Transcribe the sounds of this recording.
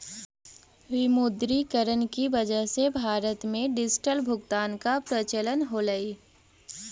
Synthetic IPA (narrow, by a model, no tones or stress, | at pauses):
ʋɪmʊd̪ɾikəɾənkiʋɐd͡ʒəɦsebʱaːɾət̪mẽɖɪsʈəlbʱʊɡt̪aːnkapɾət͡ʃələnɦoləiː